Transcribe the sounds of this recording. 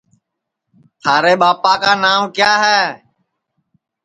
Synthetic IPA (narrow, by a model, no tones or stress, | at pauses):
t̪ʰaːɾeːɓaːpaːkaːnaːmkjaːɦɛː